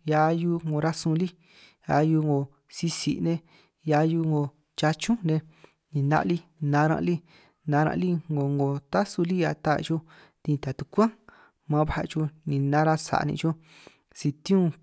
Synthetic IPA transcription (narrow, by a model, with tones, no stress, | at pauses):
ja˧ju˧ŋɡõ˧ɾa˦sũ˧li˦ | a˧ju˧ŋɡo˧˨ | si˧sḭ˨˧nẽ˧ | ja˧ju˧ŋo˧ | t͡ʃa˧t͡ʃũ˦nẽ˧ | nĩ˨nã̰˧ʔli˦nã˧ɾã̰˧ʔli˦ | nã˧ɾã̰˧ʔli˦ŋɡo˨ŋɡo˨t̪a˦su˧li˦a˧t̪a˦˧t͡ʃo˧ | d̪ĩ˧t̪a˨t̪u˧kʷã˦ | mã˧βa˦a̰˧t͡ʃu˧nĩ˨nã˦ɾa˧sa̰˨˧nḭ̃˧t͡ʃo˦ | si˧t̪ĩ˦ũ˦˧